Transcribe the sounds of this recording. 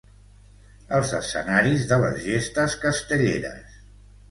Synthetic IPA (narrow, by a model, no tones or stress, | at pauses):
əlˠzəsə̰naɾizðələzʒest̪əskəst̪əʎeɾə̰s